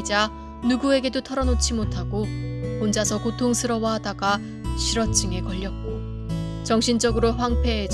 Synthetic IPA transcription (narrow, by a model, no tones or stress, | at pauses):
d͡ʑa | nuɡue̞ɡe̞dotʰʌɾʌnot͡ɕʰimotʰaɡoond͡ʑasʰʌkotʰoŋsʰɯɾʌwaɦadaɡa | ɕʰiɾʌt͡ɕ͈ɯŋekʌʎːʌt̚k͈o | t͡ɕʌŋɕʰind͡ʑʌɡɯɾoɸwaŋpʰe̞ɦːd͡ʑ